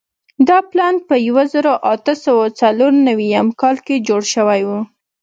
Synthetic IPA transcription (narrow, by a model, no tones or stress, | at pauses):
d̪ɑplɑnpəjawazəɾoʔat̪əsawɑt͡saloɾnawijamkɑlked͡ʒoɽʃəwajwu